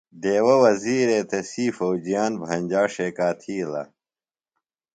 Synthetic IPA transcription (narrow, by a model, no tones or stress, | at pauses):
d̪eːwɐwɐziːɾeːt̪ɐsiːfowd͡ʑijaːnbʱɐnʲd͡ʑaːʂeːkaːt̪ʰiːlɐ̰